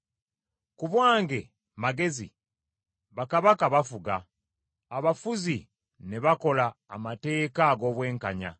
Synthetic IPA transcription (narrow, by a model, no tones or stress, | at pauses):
kuβwaːŋɡe̞ | maɡe̞zḭ | βakaβakaβafuɡaː | βafuzi | neβako̞la̰ːmate̞ːkaɡo̞ːβwe̞ːŋkaɲa̰